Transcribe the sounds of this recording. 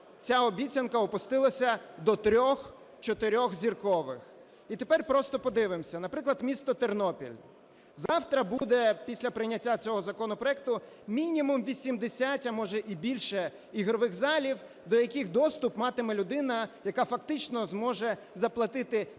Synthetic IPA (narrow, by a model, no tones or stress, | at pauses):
t͡sʲaɔbʲit͡sʲɐnkɐɔpʊst̪ɪlˠɐsʲɐd̪ɔt̪ɾʲɔx | t͡ʃɔt̪ɪɾʲɔxzʲirkɔʋɪ̰x | it̪epɛrpɾɔst̪ɔpɔd̪ɪʋɪmsʲɐnɐpɾɪklˠɐd̪mʲist̪ɔt̪ernɔpʲḭlʲ | zɑwt̪ɾɐbud̪ɛpʲisʲlʲɐpɾɪjnʲɐtʲːat͡sʲɔɦɔzɐkɔnɔpɾɔjɛk̚t̪ʊ | mʲinʲimumʋʲisʲimd̪esʲatʲɐmɔʒɛʔibʲilʲʃɛ | iɦɾɔʋɪɣzɑlʲiw | d̪ɔjɐkɪxd̪ɔst̪ʊpmɑt̪ɪmɛlʲʊd̪ɪnɐjɐkafɐkt̪ɪt͡ʃnɔzmɔʒɛ | zɐplˠɐt̪ɪt̪ɪ